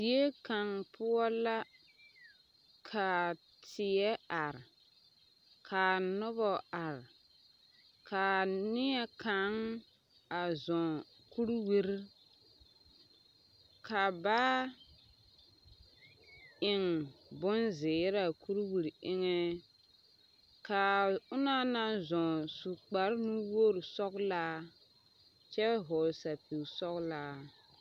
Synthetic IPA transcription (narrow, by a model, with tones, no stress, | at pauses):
di˨e˦ka˨ŋpʰʊ˦ɔ˦la˦ | kʰa˨ | tʰɪ˨ɛ˦a˨ɾ | kʰa˨nʊ˦bɔ˨a˨ɾ | kʰa˨nɪ˦ɛ˦ka˨˦ŋ | a˨zɔ˨ | ku˦ɾwi˦ɾi˦ | ka˨ba˦ | ɪ˨ŋbʊ˦nzɪ˨˦ɾa˨ku˦ɾwi˨ɾɪ˦ŋɛ˦ | ka˨ʊ˦na˦na˦zɔ̃˨su˨k͡pa˨ɾnu˦wo˦ɾsɔ˦kla˦ | t͡ʃɛ˦ɦɔ˨lsa˨pi˨sɔ˦kla˦